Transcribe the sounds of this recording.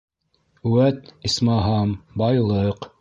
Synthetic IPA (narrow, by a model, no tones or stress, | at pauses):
ʉwæt̪ismɑɦɑmbɑjlˠɤq